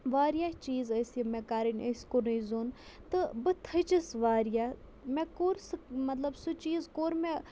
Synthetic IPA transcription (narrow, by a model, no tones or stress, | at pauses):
ʋaːɾijaːt͡ʃiːzɐsɐmɛ̃kaːɾinʲesʲkonɐjzoːn | t̪ɨbɨt̪ʰɐt͡ʃɐsʋaːɾjaː | mɛkoːɾsɨmɐt̪lɐbsut͡ʃiːzkoːɾmɛ